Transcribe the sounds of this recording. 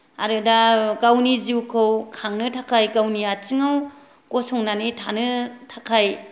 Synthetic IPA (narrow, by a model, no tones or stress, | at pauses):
a̰ɾɯdaɡawniziwkʰɯwkʰaŋnɯtʰakʰajɡawniat͡ʃiŋaw | kɔsɔŋnanitʰanɯtʰakʰaj